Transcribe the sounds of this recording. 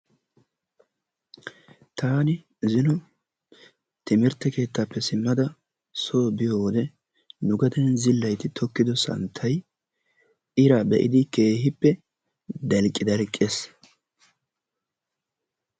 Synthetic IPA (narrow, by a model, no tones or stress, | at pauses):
t̪aːnɪ | zɪnʊ | t̪ɪmɪɾt̪ːɛke̞ːt̪ːaːpːɛsɪmːɐd̪ɐ | soːbɪjoːwɔd̪ɛ | nʊɡɐd̪ɛnzɪlːɐjt̪ɪt̪ʰɔkːɪd̪ɔsɐ̰nt̪ʰːɐj | ɪɾaːbɛʔɪd̪ɪke̞ːhɪpːɛ | d̪ɐlkʼːɪd̪ɐlkʼːes